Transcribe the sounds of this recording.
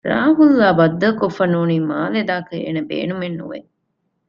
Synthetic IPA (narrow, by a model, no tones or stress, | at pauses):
ɾa̰ːɦulːaːbɐd̪ːɐkofːɐnuːniːmaːled̪aːkɐḛːnebḛːnumenːṵʋḛ